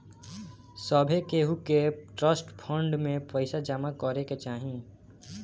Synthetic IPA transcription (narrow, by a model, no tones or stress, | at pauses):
sɔbʱekeːɦukeʈɾəsʈpʰɔ̃ɳɖmẽpəɪsad͡ʒamakɔɾeket͡ʃaːɦĩ